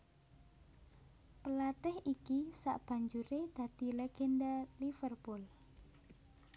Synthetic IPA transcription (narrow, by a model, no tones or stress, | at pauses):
pəlat̪ɛhʔikisa̰ʔb̥a̤ɲd͡ʒuɾed̪̥ä̤d̪̥ilɛɡ̥ɛndalifərpʊl